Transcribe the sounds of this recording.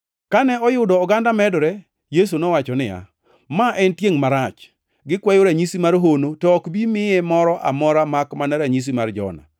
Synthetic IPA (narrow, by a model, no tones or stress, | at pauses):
kanɛɔjʊdɔːɡandamɛdɾɛ | jes̬unɔwat͡ʃɔnɪja̰ | maʔɛntjeŋmaɾat͡ʃ | ɡɪkwɛjoɾaɲisimaɾɦonotɔːkbimɪemɔɾɔʔa̰mɔɾamakmanɛɾaɲis̬imard͡ʒɔ̰na̰